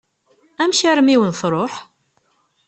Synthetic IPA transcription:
æmʃaɾmiwənθɾˤoħ

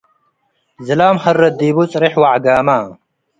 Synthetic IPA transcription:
zɐlaːmhɐrːɐd̪iːbut͡sʼɾiħwaʕɡaːmaː

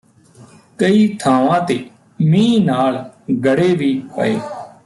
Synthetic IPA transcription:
kəiːt̪ʰãːʋãːt̪eː | mĩːnaːlɡəɽeːʋiːpə̰eː

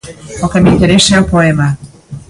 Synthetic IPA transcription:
okemint̪eɾeselpoema

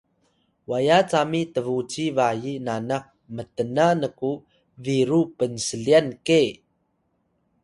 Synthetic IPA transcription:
wajat͡samitəvut͡sivajinanaq̚ | mətənanəku | viɾupənsəɮianke

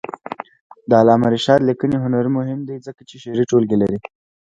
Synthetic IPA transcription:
d̪əalɑmaɾiʃɑɾlikəniɦʊnaɾimʊɦɪmd̪izəkat͡ʃeʃeɾiʈolɡelaɾi

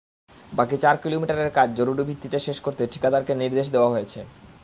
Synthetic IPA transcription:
bakit͡ɕaɾkilomiʈaɾeɾkad͡ʑd͡ʑoɾuɾibʱit̪ːit̪eʃeʃkoɾt̪eʈʰi̥kat̪aɾkeniɾd̪eʃ̬d̪eoaɦojet͡ɕʰe

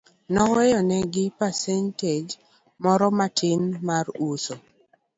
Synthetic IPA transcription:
nɔwɛjɔnɛɡɪpasɛnted͡ʒ | mɔɾɔmatʰɪnmaruso

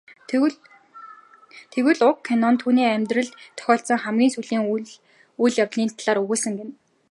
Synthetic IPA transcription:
t̪ʰewɘ̆ɮʊkʰːanɔnt̪ʰuːniːæmʲt̪rə̆ɮt̪t̪ʰːœ̥xʲɔːɬsə̆ŋχæmɡʲiːnsuɮiːŋ | ujɮjawɮiːnt̪ʰaɮaːɾɵɣuːsə̆ŋɡen

